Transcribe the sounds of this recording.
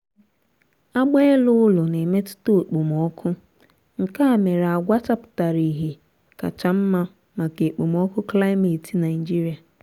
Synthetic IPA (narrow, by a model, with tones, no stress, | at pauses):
a˦ɡ͡be˦e˦lʊ˦ʊ˦lʊ˨ne˨me˦tʊ̥˦to˦˨k͡po˨m˨ɔ˦kʰʊ˦ | ŋ̩˨ka˦˨me˨ɾa˨ɡʷa˦ta˦pʊ̥˨ta˨ɾi˨ɦe˨ | ka̰˨t͡ʃa˨m̩˦ma˦ | ma˨ke˨k͡po˨mɔ˦kʊ˦kla˦ɪ˦me˨ti˨na˨ɪ˨d͡ʒi˦ɾi˨a˨